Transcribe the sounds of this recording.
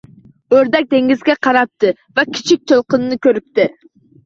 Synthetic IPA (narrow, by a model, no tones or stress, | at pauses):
øɾd̪ɛk̚ʲd̪eŋɡʲizɡʲɛqʰɑɾɑp̚t̪ʰɨ | vɛkʲʰi̥t͡ʃʰik̚ʲt̪ʰølˠqənɨnɨkʲʰøɾyp̚t̪ɪ